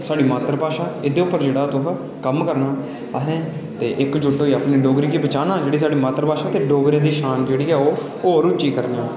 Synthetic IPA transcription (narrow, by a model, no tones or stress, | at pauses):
saːɖiːmaːt̪ɾpaːʃaːɪd̪eːʊpːəɾd͡ʒeːɽaːt̪ʊɦ | kəmkəɾnaː | əɦẽːt̪eːʔɪkd͡ʒʊɖoːiːaːpniːɖoːɡɾiːkiːbət͡ʃaːnãːd͡ʒeːɽiːsaːɖiːmaːt̪ɾəpaːʃaːt̪eːɖoːɡɾẽːd̪iːʃaːnd͡ʒeːɽiːɛːoː | oːɾʊt͡ʃiːkəɾneãː